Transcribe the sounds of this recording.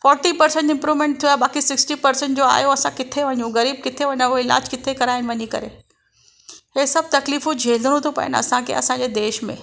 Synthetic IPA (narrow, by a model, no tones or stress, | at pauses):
fɔːɾʈipɐɾsẽɳʈɪ̃mpɾuːʋmẽːɳʈ̚t̪ʰiabaːkisɪksʈipɐɾsə̃ɳʈ̚d͡ʑoa̰ːjoɐsãkɪt̪ʰeʋɐɲũɣɐɾiːb̚kɪt̪ʰeʋɐɲãʊoɪla̰ːd͡ʑkɪt̪ʰekɐɾaːɪnɪ̆ʋɐɲikɐ̰ɾḛ | ɦeːsɐb̚t̪ɐkliːfũd͡ʑʱeːld̪əñũt̪ʰopɐ̰jə̰nɐ̰sãkʰḛɐ̰sãd͡ʑed̪eːʃmḛ̃